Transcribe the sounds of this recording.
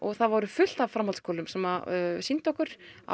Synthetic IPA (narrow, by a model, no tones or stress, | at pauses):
ɔɣθaðvɔɾʏfʏl̥t̪avfɾamalskʰɔːlʏmsɛmasint̪ɔhkʏɾ̥a̰